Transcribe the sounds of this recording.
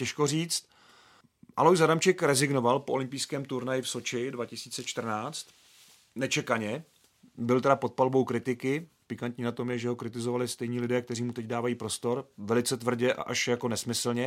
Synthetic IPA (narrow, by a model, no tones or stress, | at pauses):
cɛʃkoriːt͡st̪ | ʔalojzadamt͡ʃɛkɾɛzɪɡno̞valpoʔolɪmpijskɛːmt̪uɾnajɪfso̞t͡ʃɪdvacɪsiːt͡sɛt͡ʃt̪r̩naːt͡st̪ | nɛt͡ʃɛkaɲɛ | bɪlt̪ɛɾapo̞t̪̚palbo̞wkɾɪt̪ɪkɪ | pɪkant̪ɲiːnat̪o̞mjɛʒɛɦo̞kɾɪt̪ɪzo̞valɪst̪ɛjɲiːlɪdɛːkt̪ɛriːmut̪ɛcdaːvajiːpɾo̞st̪o̞ɾvɛlɪt͡sɛt̪vr̩ɟɛʔa̰ʔaʃjako̞nɛsmɪsl̩ɲɛ